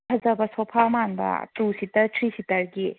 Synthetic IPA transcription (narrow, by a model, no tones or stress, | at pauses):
pʰɐzɐbɐsopʰamanbɐ̰tusitɐɾtʰɾisitɐɾɡi